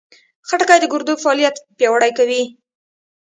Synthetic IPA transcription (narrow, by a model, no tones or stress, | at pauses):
xaʈakajd̪əɡʊɾd̪uɡfaɑlijat̪pjɑwaɽajkawi